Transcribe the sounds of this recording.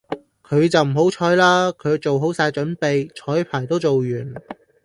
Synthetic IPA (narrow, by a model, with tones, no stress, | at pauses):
kʰɵ˨˧ɥt͡sɐ˨wm̩˨˩ɦo˨˥wt͡ʃʰɔː˨˥jlaː˥kʰɵ˨˧ɥt͡so˨wɦo˨˥wsaː˧jt͡ʃɵ˨˥npe˨jt͡ʃʰɔː˨˥jpʰaː˨˩jt̪o˥wt͡so˨wjyː˨˩n